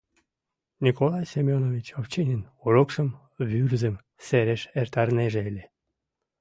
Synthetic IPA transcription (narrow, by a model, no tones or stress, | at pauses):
nʲikolˠɑjsemʲonovʲit͡ɕoft͡ɕenʲinoɾokʃəm | βyrzə̆m | seɾeʃert̪ɑrneʒeelʲe